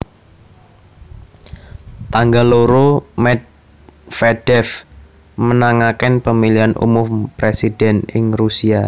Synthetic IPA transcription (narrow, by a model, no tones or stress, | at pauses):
t̪aŋɡaloɾomɛt̪̚ | fɛd̥ɛf | mənaŋakɪnpəmiliɦanʔṵmʊmpɾesid̥ɛnɪŋrusia